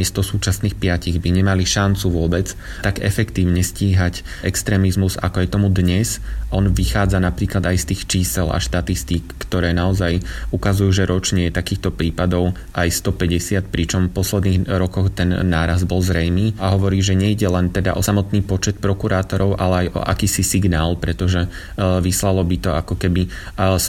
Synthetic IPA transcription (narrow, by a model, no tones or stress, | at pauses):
ɛst̪ɔsuːt͡ʃasniːxpɪaciɣbiɲɛmaliʃant͡suʋʊɔbɛt͡s | t̪aɡɛfɛkt̪iːʊɲɛsciːɦac | ɛkst̪ɾɛːmizmuza̰kɔjɛt̪ɔmud̪ɲɛzʔɔnʋixaːd͡zanapɾiːklad̪ajst̪iːxt͡ʃiːsɛla̰ʃt̪at̪ist̪ikːt̪ɔɾɛːnaɔzajukazujuːʒɛɾʔɔt͡ʃɲɛjɛt̪akiːxt̪ɔpɾiːpad̪ɔʊ | ʔajst̪ɔpɛɟɛsɪat̪pɾit͡ʃɔmfpɔslɛd̪niːɣɾɔkɔxt̪ɛnːaːɾaz̚bɔlzɾɛjniːaɦɔʋɔɾiːʒɛɲɛiɟɛlɛnt̪ɛd̪a̰ʔɔsamɔt̪niːpɔt͡ʃɛt̪̚pɾɔkuɾaːt̪ɔɾɔʊʔalɛajʔɔ̰ʔa̰kiːsisiɡnaːlˠpɾɛt̪ɔʒɛ | ʋislalɔbit̪ɔakɔkɛbis